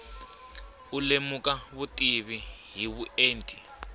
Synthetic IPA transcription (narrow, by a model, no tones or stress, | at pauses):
ulemukaβutʼiβiɦiβueːntʼi